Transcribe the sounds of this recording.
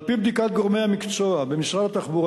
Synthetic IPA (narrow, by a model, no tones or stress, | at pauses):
pibd̪ikat̪̚ɡo̞ʁmejhamikt͡soabe̞miʃʁadat̪aχbuʁ